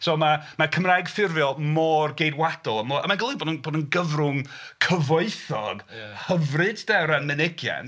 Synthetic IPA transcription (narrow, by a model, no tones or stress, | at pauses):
soːmamakʰəmrajɡfɪrvjɔlˠmɔːrɡejdwad̥ɔlˠəmɔʔa̰maɡəlˠiboːdənboːdənɡəvrʊŋkʰəvoɨθɔɡhəvrɨddɛwɾanmɪnɪɡja̰n